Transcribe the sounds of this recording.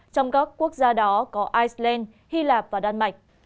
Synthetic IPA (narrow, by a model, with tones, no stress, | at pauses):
t͡ɕɔ˧wŋ͡mkaː˦˥kːu˦˥ək̚zaː˧ɗɔ˨˦kɔ˨˦ʔaː˧jslɛ˧n | hi˧laː˨˩p̚vaː˨˩ɗa˧nma˨˩jk̟̚